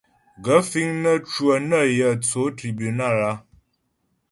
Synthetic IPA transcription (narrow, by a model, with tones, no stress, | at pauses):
ɡə˨˦fi˦ŋnə˦t͡ʃwə˨nə˦˨jə˨t͡so˨˦tɾi˨bu˨na˦˨ɾa˦